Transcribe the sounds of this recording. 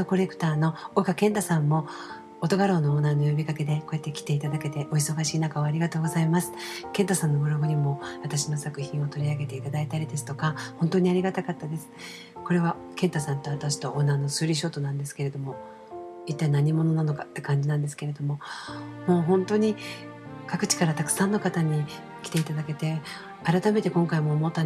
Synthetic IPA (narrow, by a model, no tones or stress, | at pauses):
oko̞ɾe̞kɯ̟̥t̪aːno̞okakẽ̞nt̪asãmːo̞ː | t̪o̞ɡaɾo̞ːno̞ːnaːno̞jobʲikake̞d̪e̞ko̞et̪ːe̞kʲi̥t̪e̞it̪ad̪ake̞t̪e̞ʔo̞iso̞ɡaɕiːnakaaɾʲiɡat̪o̞ːɡo̞zaimasɨ̥kẽnt̪asãnːo̞ɡɯ̟ɾo̞ɡɯɲ̟imo̞βat̪aɕino̞sakɯ̟çĩɰ̃o̞t̪o̞ɾʲiaɡe̞t̪e̞it̪ad̪ait̪aɾʲid̪e̞sɨ̥t̪o̞kahõ̞nt̪o̞ːɲ̟iaɾʲiɡat̪akat̪ːad̪e̞sɨ̥ | ko̞ɾe̞βa | kẽ̞nt̪asãnt̪o̞βat̪aɕi̥t̪o̞ʔonːano̞sɨːɾʲiɕ̬o̞ːt̪o̞nãnd̪e̞sɨ̥ke̞ɾe̞d̪o̞mo̞ | it̪ːainaɲ̟imo̞no̞nano̞kat̪ːe̞kãɲ̟d͡ʑinãnd̪esɨ̥ke̞ɾe̞d̪o̞mo̞mo̞ːɦõ̞nt̪oɲ̟i | kakɯ̟̥t͡ɕi̥kaɾat̪akɯ̥sãnːo̞kat̪aɲ̟i | kʲi̥t̪e̞it̪ad̪ake̞t̪e̞ | aɾat̪ame̞t̪e̞kõ̞ŋkaimo̞ːmo̞t̪ːa